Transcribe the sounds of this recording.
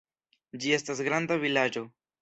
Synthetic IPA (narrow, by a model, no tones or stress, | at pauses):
d͡ʒie̞stas̬ɡɾandavilad͡ʒo̞